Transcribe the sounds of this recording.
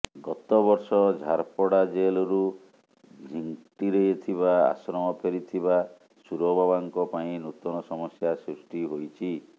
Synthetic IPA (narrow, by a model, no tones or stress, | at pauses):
ɡɔt̪ɔbɔɾsɔd͡ʒʱaɾpɔɽad͡ʒelɔɾu | d͡ʒʱiŋʈiɾejet̪ʰiβaa̰sɾɔmɔpʰeɾit̪ʰiβa | suɾɔbabaŋkɔpaĩnut̪ɔnɔsɔmɔsjasɾusʈiɦojt͡ʃʰi